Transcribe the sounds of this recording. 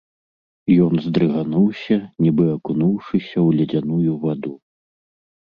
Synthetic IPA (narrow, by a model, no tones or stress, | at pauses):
jɔnzd̪ɾɨɣanuwsʲɐnʲibɨɐkunuwʂɨsʲɐwlʲɐd͡zʲanujuvad̪u